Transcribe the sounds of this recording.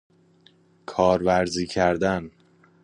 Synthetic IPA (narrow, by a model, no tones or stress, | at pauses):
kʰɒːɾvæɾziːcʰæɾd̪æn